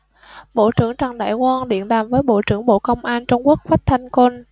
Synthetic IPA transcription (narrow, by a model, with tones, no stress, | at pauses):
ɓo̰˧˨t͡ɕɨ˧˩əŋt͡ɕa˨˩ŋɗa̰ː˧˨jkwaː˧nɗḭ˧˨ənɗaː˨˩mvəː˨˦jɓo̰˧˨t͡ɕɨ˧˩əŋɓo̰˧˨kə˧wŋ͡mʔaː˧nt͡ɕʊ˧ŋ͡mku˦˥ək̚faː˦˥k̚t̪ʰa˧jŋ̟ko˧n